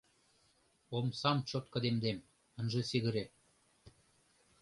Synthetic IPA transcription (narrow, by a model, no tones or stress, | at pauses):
omsɑmt͡ɕot̪̚kɤ̆d̪emd̪em | ə̆nʒĕseɣɘ̆ɾe